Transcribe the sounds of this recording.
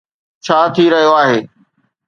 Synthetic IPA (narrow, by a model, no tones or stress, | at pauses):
t͡ɕʰaːt̪ʰiɾɐɦijoaːɦeː